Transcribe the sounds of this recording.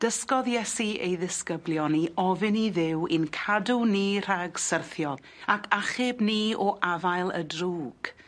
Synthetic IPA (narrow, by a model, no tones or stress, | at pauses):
d̥əskɔðjɛsiḛjðɪskəblˠjɔniʔɔvɪniðɪwɪnkʰaduniːr̥aɡsərθjɔlˠ | akʰaχɪbniːɔʔavajlˠə̰druːɡ̥